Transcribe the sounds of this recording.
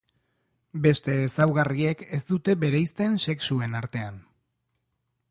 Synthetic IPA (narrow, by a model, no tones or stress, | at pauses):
be̞st̪e̞ːsawɣarie̞ke̞sd̪ut̪e̞be̞ɾejst̪e̞nse̞ksue̞naɾt̪e̞an